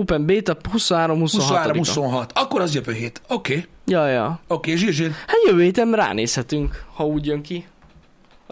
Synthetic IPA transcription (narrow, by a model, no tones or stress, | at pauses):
uːpɛmbeːt̪ɒphusonɦaːɾo̞mhusouonohaːɾoimhusonɦɒt̪ɒkːoɾɒzjøvøːɦeːt̪okeːjɒjɒokeːʒiʒihaːt̪jøvøːheːt̪ɛnra̰ːnḛːshɛt̪yŋkhɒuːɟjøŋki